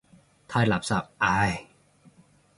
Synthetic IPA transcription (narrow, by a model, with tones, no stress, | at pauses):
t̪ʰaː˧jla˨˩p̚sa˨˩p̚ʔa˧j